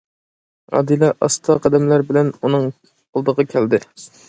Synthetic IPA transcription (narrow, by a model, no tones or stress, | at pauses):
ɑ̰d̪ilˠɑʔɑ̰st̪ʰɑqʰɑd̪ɛmlæɾbɪlɛnunɨŋʰ | olˠd̪əʁɑkʲʰæld̪ɪ